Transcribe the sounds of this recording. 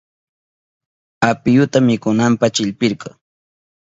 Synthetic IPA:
apɪjʊt̪amɪkʊnampat͡ʃɪʎpɪɾkɑŋ

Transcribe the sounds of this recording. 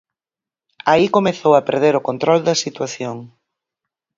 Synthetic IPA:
aikomeθowɐpeɾð̞eɾʊkont̪ɾɔld̪ɐsit̪waθjoŋ

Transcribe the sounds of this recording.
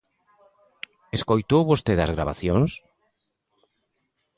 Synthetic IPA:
eskojt̪owβost̪eðɐzɣɾaβa̰θjoŋs

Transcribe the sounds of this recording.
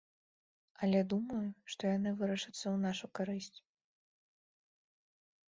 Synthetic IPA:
ɐlʲɛd̪umɐjuʂt̪ɔjanɨvɨɾɐʂɨt̪sːɐwnaʂukaɾɨsʲt͡sʲ

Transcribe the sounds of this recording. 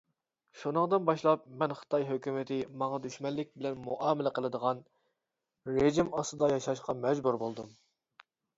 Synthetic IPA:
ʃunəŋd̪ɨnbɑʃlˠɑp̚mɛnχə̥t̪ʰɑjɦøkʲymɪt̪ʰɪmɑŋɑd̪yʃmɛlːɪk̚ʲbɪlɛnmuʔɑːmɪlɛqəlˠɨd̪əʁɑn | ɾeʒimɑst̪ɨd̪ɑjɑʃɑʃqɑmɛd͡ʒbuɾbolˠd̪ɨm

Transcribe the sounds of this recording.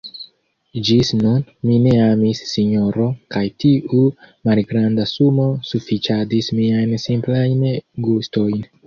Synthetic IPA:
d͡ʒisnunmine̞amisːiɲo̞ɾo̞kajtiumalɡɾandasumo̞sufit͡ʃadismiajnsimplajnɡusto̞jn

